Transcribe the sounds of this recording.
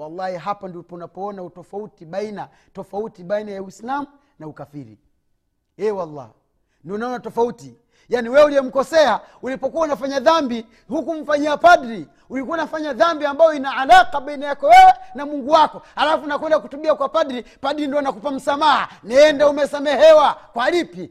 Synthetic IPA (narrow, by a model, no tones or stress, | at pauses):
walːahiɦapandiɔpɔunapɔɔnautɔfautiɓaina | tɔfautiɓainajawislamu | naukafiɾḭ | ɛːwalːa̰ | niunaɔnatɔfauti | janiwɛuliɛm̩kɔsɛa | ulipɔkuaunafaɲaðambi | hukum̩faɲiapaɗɾi | ulikuwaunafaɲaðambiambajɔinaalaqaɓainajakɔwɛwɛnamuŋɡuwakɔhalafunakwɛndakutuɓiakwapadɾipaɗɾindiɔnakupam̩samaha | nɛːndaumɛsamɛhɛwakwalipi